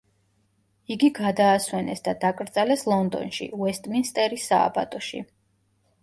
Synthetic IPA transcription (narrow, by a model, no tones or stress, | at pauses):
iɡiɡad̪aːswɛnɛsd̪ad̪akʼɾd̪z̥alɛslˠɔnd̪ɔ̰nʃḭuwɛst̪ʼminst̪ʼɛɾisa̰ːba̰t̪ʼɔʃḭ